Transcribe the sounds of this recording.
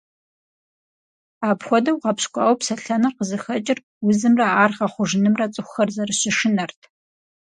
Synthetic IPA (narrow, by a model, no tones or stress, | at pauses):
aːpxʷɔdɐwʁɐpɕkʷʼɑ̰ːwɔpsɐɬɐnɐrqəzɨxɐt͡ʃʼɪr | wʊzɨmrɐaːrʁɐχʷʊʒɪnɨmrɐt͡sʼɨxʷxɐrzɐrɨɕɪʃɪnɐrtʰ